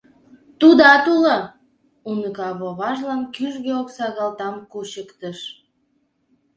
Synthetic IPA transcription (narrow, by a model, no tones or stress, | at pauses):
t̪ud̪ɑt̪ulɑ | unəɣɑβoβɑʒlɑnkyʒɡeoksɑɣɑlt̪ɑmkuɕəkt̪əʃ